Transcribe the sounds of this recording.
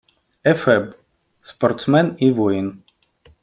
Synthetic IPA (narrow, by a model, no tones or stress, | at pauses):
ɛfɛb | spɔɾt̪smɛnivɔjin